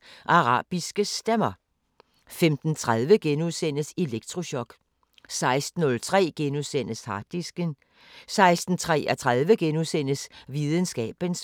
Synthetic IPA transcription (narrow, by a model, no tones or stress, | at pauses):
ʔɑ̈ʁɑ̰̈ːb̥isɡ̥əsd̥emɐ | femd̥n̩t͡sʰʁað̞ˠʋəɡ̥enuðˠsen̰əseleɡ̥̚t͡sʰʁo̝ɕɒ̽ɡ̥ | sɑ̈ɪsd̥n̩ːɔ̽lt͡sʰʁɛ̰ːɡ̥enuðˠsen̰əshɑ̈d̥isɡ̥ən | sɑ̈ɪsd̥n̩t͡sʰʁɛ̰ːʔɒt͡sʰʁað̞ˠʋəɡ̥enuðˠsen̰əsʋiːðˠən̩sɡ̥ɛ̰ːb̥əns